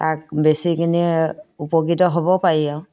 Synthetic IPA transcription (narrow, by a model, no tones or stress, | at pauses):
tak̚besikiniupɔkitɔɦobɔpaɹiaʊ̃